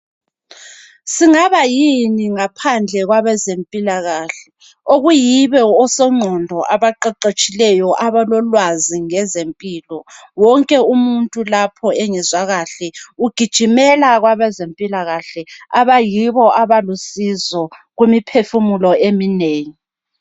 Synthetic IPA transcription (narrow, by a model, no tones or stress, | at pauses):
siŋaβajiniŋapʰand͡ɮʱɛɣwaβɛzempʼilaɣaːɬɛ | oɣujiβɛɔsɔŋ͡ǀʱɔndʱɔʔaβaǃɛǃet͡ʃʼilɛjɔʔaβalɔlwaziŋɛzempʼiːlɔwɔŋkʼɛumuntʼulapʰɔeŋɛzwaɣaɬɛuɡ̥ʱid̥ʒ̥ʱimɛlaɣwaβɛzempʼilaɣaɬɛaβajiβɔʔaβalusizɔɣwemipʰefumulɔemineːŋi